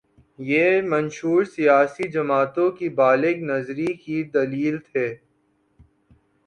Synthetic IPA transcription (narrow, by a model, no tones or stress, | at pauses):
jeːmɐ̃nʃuːɾsijaːsid͡ʒɐmaːt̪õkibaːlɪɡnɐzɾikid̪ɐliːlt̪ʰeː